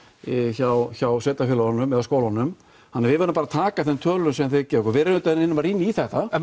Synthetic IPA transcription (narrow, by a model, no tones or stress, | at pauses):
çawçawsɛːt̪afɪlaanːʏmɛðaskoːwlanːʏm | hanːaɾvɪðvɛɾʏmpaːɾat̪ʰaːkaθɛnt̪ʰœːlʏʏnsɛmθecɛːɾɔkɔɾvɛɾɪnʏːt̪aɛnɪnːʏmaɾiːnːiθɛht̪a